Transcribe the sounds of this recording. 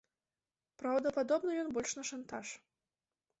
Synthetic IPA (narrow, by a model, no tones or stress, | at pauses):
pɾawd̪ɐpad̪ɔbnɐjɔnbɔlʲʂnɐʂant̪aʂ